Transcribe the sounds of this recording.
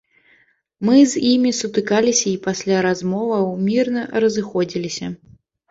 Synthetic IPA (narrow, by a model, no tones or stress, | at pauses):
mɨzʲimʲisut̪ɨkalʲisʲɐipasʲlʲaɾazmɔvɐwmʲirnɐɾɐzɨxɔd͡zʲilʲisʲɐ